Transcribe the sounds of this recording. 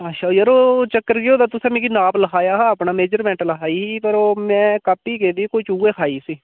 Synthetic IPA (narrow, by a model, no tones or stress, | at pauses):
aʃajəɾoːt͡ʃəkːəɾkɪjoːd̪aːt̪ʊsẽːmẽkinaːpləkʰaːjaːɦãːəpnaːmeːd͡ʒəɾmɛ̃ːɳʈləkʰaːiːiːpəɾoːmɛ̃ːkaːpiːkeːd̪iːkot͡ʃuːeːkʰaːiːsiː